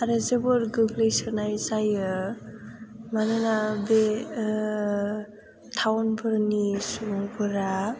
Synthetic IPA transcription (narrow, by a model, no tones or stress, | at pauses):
aɾɯzebɔɾɡɯɡlɯjsɯnajzajɯ | manɯnabe | tʰawnbʰɯɾnisupʰɯɾa